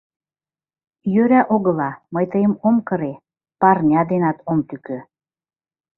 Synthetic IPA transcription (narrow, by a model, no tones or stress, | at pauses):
jøɾæʔoɣɤ̆lɑməjt̪əjəmomkɤ̆ɾe | pɑrnʲɑd̪enɑt̪ʰomt̪ykø